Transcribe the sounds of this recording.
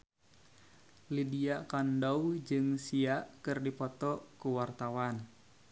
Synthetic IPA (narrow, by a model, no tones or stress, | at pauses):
lidiakandɔwd͡ʒɨŋsiaʔkɨrdipɔt̪ɔkuwart̪awan